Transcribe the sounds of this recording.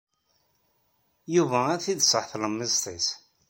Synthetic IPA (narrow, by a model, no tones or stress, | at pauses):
juvææθid̪sˤəħθləmːizt̪ˤis